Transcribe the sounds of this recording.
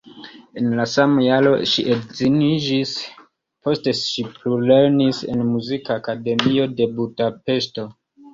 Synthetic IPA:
e̞nlasamajalo̞̰ʃiʔedzinid͡ʒis | po̞ste̞ʃiplule̞ɾnise̞̰nmuzikaːkade̞mio̞de̞budape̞sto̞

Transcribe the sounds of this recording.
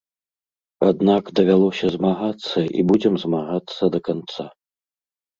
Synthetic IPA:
ad̪nakd̪ɐvʲalˠɔsʲɐzmaɣat̪sːɐʔḭbud͡zʲɛmzmaɣat̪sːɐd̪ɐkant̪sa

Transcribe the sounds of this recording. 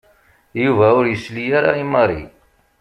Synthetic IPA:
juvæʊɾjəslijæɾa̰imɑɾˤḭ

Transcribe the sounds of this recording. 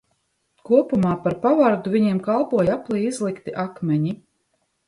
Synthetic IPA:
kuɔpumaːpaɾpavaɾd̪uvʲiɲiɛmkalˠpuɔjaplˠijizlˠikt̪iʔakmʲɛɲi

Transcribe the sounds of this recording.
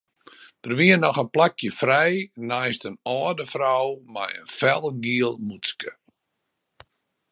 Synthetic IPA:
d̥ərʋiənɔxənplakjəfrɛjnajstənɔːdəfrawma̰jə̰nfɛlˠɡiəlˠmuskə

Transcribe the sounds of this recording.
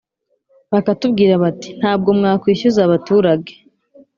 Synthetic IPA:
βakatubɡiːɾaβati̥n̥haːb̚ɡo̞mŋaːkwiːçuzaβatuːɾaɡe

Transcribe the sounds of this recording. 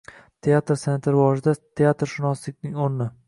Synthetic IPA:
t̪ʰeat̪ɾse̞nt̪ɪɾɪvɒʒɪd̪at̪ʰeat̪ɾʃɪnɒslɪk̚ʲnɪŋonːɪ

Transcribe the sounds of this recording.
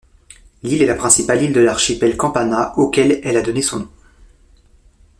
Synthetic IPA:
lilɛlapχɛ̃sipalild̪əlaʁʃipɛlkɑ̃panaokʲɛlɛlad̪ɔnesɔ̃nɔ̃

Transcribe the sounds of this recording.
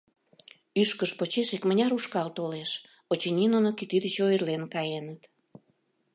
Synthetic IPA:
yʃkəʃpot͡ɕeʃekmənʲɑɾuʃkɑlt̪oleʃ | ot͡ɕenʲinonokit̪yd̪ət͡ɕoərlenkɑjenət̪

